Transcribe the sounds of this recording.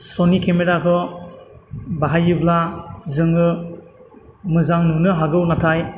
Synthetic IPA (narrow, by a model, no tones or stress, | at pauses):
sonikʰemeɾakʰɯ | baɦajɯblazɯŋɯ | mɯzaŋnɯnɯɦaɡɯwnatʰaj